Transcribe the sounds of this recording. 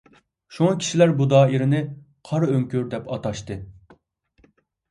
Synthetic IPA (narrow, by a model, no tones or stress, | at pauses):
ʃuŋɑkʲʰi̥ʃilæɾbud̪ɑːiɾɪnɪ | qʰɑɾøŋkʲyɾd̪ɛpɑt̪ɑʃt̪ɨ